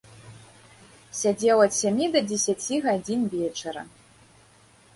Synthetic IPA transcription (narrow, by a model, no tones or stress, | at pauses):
sʲad͡zʲewɐt̪sʲamʲid̪ɐdʲesʲat͡sʲiɣad͡zʲinvʲet͡ʂɐɾɐ̰